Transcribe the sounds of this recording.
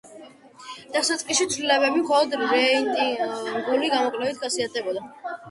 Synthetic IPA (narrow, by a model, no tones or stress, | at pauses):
d̪̥asat̪sʼkʼiʃit̪sʰlilɛbɛbimχɔlˠɔd̪ɾɛint̪ʼiɡuliɡamɔkʼlɛvit̪χasiat̪ʰɛbɔd̪a